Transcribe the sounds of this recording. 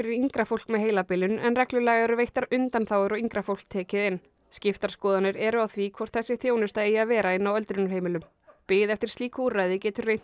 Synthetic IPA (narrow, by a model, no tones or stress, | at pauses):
fɪɾɪɾiŋkɾafowl̥kmɛðɦeːjlapɪlʏnɛ̰nrɛklʏlɛːɣaɛɾʏvejht̪aɾʏnt̪anθawɛɾɔiŋkɾafowl̥k̚t̪ʰɛːcɪðɪnː | scɪft̪aɾ̥skɔːðanɪɾɛɾʏawθviːkʰvɔr̥t̪θɛsːɪθjoːwnʏst̪aejaðvɛːɾaɪnːawœlt̪ɾʏnʏɾheːjmɪlʏm | pɪːðɛft̪ɪɾ̥st̪liːkuɾːajðɪcɛːt̪ʏrejt̪n